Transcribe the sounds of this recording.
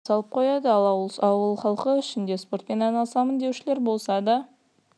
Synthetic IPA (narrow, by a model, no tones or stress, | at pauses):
sɑlˠəp̚qʰo̞jɑd̪əɑlˠɑwəlˠχɑlˠqəʏʃɪnd̪e̞spo̞rt̪̚pe̞nɑjnɑlˠsɑmənd̪e̞wʃɪle̞ɾbo̞lˠsɑd̪ɑ